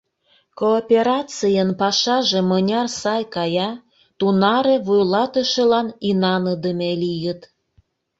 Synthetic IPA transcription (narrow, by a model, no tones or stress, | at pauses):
koːpʲeɾɑt͡sijənpɑʃɑʒemənʲɑrsɑjkɑjɑ | t̪unɑɾeβujlɑt̪əʃelɑninɑnəd̪əmelijət̪